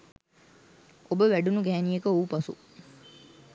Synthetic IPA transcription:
obəʋæɖunuɡæɦːnijekəuːpasṵ

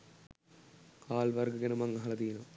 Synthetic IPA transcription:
kaːlbɐrɡɐɡɐnumɐŋːɐɦɐɭɐd̪iːnoː

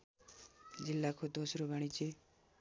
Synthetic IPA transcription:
d͡ʒilːakʰod̪ʱosɾobʱaɽ̃it͡ʃʰe

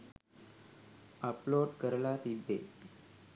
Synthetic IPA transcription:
əploɖkəɾlat̪id̪ʱḛ

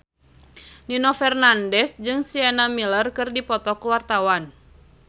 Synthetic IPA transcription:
ninɔfɛrnandɛsd͡ʒɨŋsiɛnamilərkɨrdipɔt̪ɔkuwart̪awan

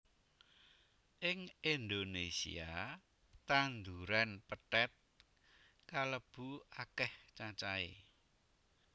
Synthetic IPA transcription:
ʔɪŋind̪onesḭa | t̪and̪uɾanpəʈɛt̪̚ | kaləb̥ṳakɛht͡ʃat͡ʃaḛ

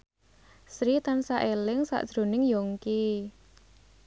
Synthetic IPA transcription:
sɾit̪ansaʔelɪŋsa̰ʔd̥ʒ̥ɾo̤nɪŋjoŋki

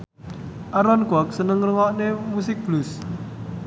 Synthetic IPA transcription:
ʔaɾɔnkwɔk̚sənəŋrəŋɔʔnemusɪk̚b̥lus

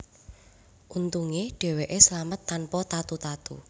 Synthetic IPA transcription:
ʔunt̪uŋeɖ̥ɛ̤weʔeslamət̪ːanpɔt̪at̪ut̪at̪ṵ

